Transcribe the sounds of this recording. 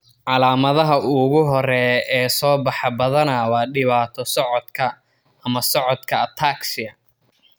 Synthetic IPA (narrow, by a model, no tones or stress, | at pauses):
ʕɑlaːmɐðɐɦɐʔʊɣʊɦɔɾɛɛːsɔːbɑħɑbɐðɐnɐwɑːɖɪβaːt̪ʰɔsɔʕɔd̪kʰɐː | mɐsɔʕɔd̪kʰɐt̪ʰaːksɪɐ